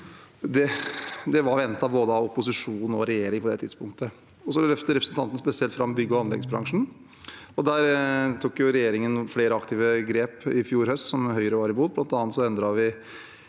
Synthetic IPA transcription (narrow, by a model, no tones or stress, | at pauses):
d̪ɛd̪ɛʋɑɾʋɛnt̪ːɑʋboːd̪əɑʊpʊsɪʂuːnɔɾɛjeːɾɪŋpʰɔd̪ɛt̪ʰɪd̪spʊŋkt̪ə | ɔsɔlœft̪əɾɛpɾəsnt̪ʰɑnt̪nəspɛsɪɛlt̪fɾɑmbʏɡːəɔɑnlɛ̰ɡəsbɾɑ̰ŋʂn̩ | ɔd̪æːɾt̪ʰuːkjʊɾɛjeːɾɪŋənfleːɾəɑkt̪ɪːʋəɡɾeːpɪfjuːɾhœst̪sɔmɦœʏɾəʋɑɾɪbuːd̪̚blɑnt̪ɑːnət̪sɔɛnd̪ɾɑʋɪ